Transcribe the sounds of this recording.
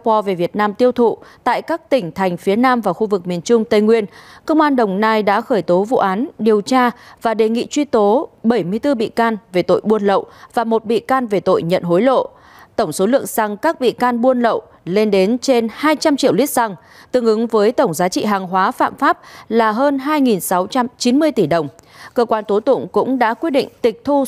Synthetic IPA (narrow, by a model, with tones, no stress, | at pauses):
pɔ˧ve˨˩vi˨˩ət̚naː˧mt̪i˧əwt̪ʰṵ˧˨t̪a̰ː˧˨jkaː˦˥k̚t̪ï˧˩ŋ̟t̪ʰa˨˩jŋ̟fi˨˦ənaː˧mvaː˨˩wxu˧vɨ˨˩k̚mi˨˩ənt͡ɕʊ˧ŋ͡mt̪ə˧˩jŋwi˧ənkə˧wŋ͡mʔaː˧nɗə˨˩wŋ͡mnaː˧jɗa̰ː˧˥xəː˧˩jt̪o˨˦vṵ˧˨ʔaː˨˦nɗi˨˩əwt͡ɕaː˧vaː˨˩ɗe˨˩ŋḭ˧˨t͡ɕwi˧t̪o˨˦ɓə˧˩jmɨ˧əjt̪ɨ˧ɓḭ˧˨kaː˧nve˨˩t̪o̰˧˨jɓu˧ənlə̰˧˨wvaː˨˩mo˨˩t̚ɓḭ˧˨kaː˧nve˨˩t̪o̰˧˨jɲə̰˧˨nɦo˨˦jlo̰˧˨ | t̪ə˧˩wŋ͡mso˨˦lɨ̰˧˨əŋsa˨˩ŋkaː˦˥k̚ɓḭ˧˨kaː˧nɓu˧ənlə̰˧˨w | le˧nɗe˨˦nt͡ɕe˧nhaː˧jt͡ɕa˧mt͡ɕḭ˧˨əwli˦˥t̚sa˧˩ŋ | t̪ɨ˨˧əŋʔɨ˨˦ŋvəː˨˦jt̪ə˧˩wŋ͡mzaː˨˦t͡ɕḭ˧˨ɦaː˨˩ŋɦwaː˨˦fa̰ː˧˨mfaː˦˥p̚laː˨˩ɦəː˧nɦaː˧jŋi˨˩nsa˨˦wt͡ɕa˧mt͡ɕi˨˦nmɨ˧əjt̪i˧˩ɗə˨˩wŋ͡mkəː˧kwaː˧nt̪o˨˦t̪ʊ̰˧˨ŋ͡mkʊ̰˧˥ŋ͡mɗa̰ː˧˥kwi˦˥t̚ɗḭ˧˨ŋ̟t̪ï˨˩k̚t̪ʰu˧